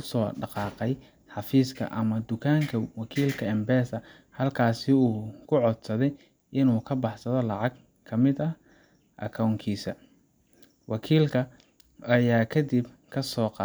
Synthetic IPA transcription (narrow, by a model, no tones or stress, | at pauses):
ʊsɔːɖɑqɑːqɛj | ħɑfiːskʰɐ̰ʔɐmɐd̪ʊkʰaːŋkʰɐwɑkʰiːlkʰɐɛmbɛːsɐ | hɐlkʰaːsɪuːkʰʊʕɔd̪sɐðɛj | ʔɪnuːkʰɐbɑħsɐðɔlɑʕɑɡ | kʰɐmɪd̪ɐ | ʔɐ̰kʰawŋkʰiːsɐ | wɑkʰiːlkʰɐ | ɐjaːkʰɐd̪ibkʰɐsɔːqɑ